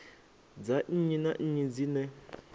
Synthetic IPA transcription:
d͡zaɲ̩ɲinaɲ̩ɲid͡zinɛ

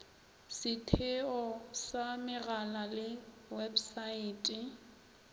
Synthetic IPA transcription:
sɪtʰɪɔsamɪɣalalɪ | websaiːtʼɪ

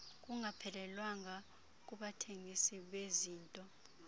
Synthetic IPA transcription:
k̬ʼuŋʱapʰɛlɛlwaŋa | k̬ʼuɓatʰeŋʱisiɓeziːntʼɔ

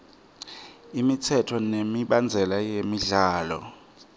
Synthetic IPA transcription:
imit͡sʰɛtʰɔnemiɓand͡zʱɛlajemiɮaːlɔ̰

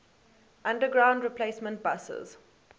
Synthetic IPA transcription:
ʔãndəɡɹãʊ̃ndɹipleːsmə̃nt̚basə̰z̥

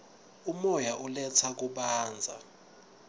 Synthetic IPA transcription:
umɔjaʔulɛt͡sʰak̬uɓaːnd͡zʱa̰

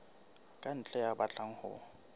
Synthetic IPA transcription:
kʼan̩t͡ɬʼɛjabat͡ɬʼaŋ̩hʊ̰

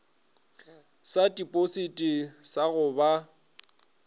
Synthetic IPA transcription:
satʼipʼositʼisaɣʊba

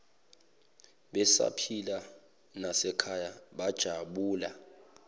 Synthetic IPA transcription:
ɓɛsa̰pʰila | nasɛkʰajaɓad̥ʒ̥ʱaɓuːla

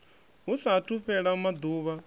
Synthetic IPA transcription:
ɦusatʰuɸɛɺamad̪uːβa

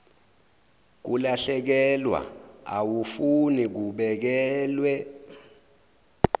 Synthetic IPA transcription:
k̬ulaɬɛk̬ɛlwa̰a̰wufunik̬uɓɛk̬ɛːlwɛ

